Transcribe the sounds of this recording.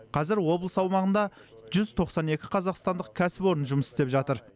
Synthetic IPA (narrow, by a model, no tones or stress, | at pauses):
qʰɑzɪɾwo̞blˠəsɑwmɑʁənd̪ɑ | ʒʏzt̪ʰo̞qsɑne̞kʲɪqʰɑzɑqst̪ɑnd̪əq̚kʲʰæsɪpo̞ɾənʒʊməsɪ̥st̪e̞pʒɑt̪əɾ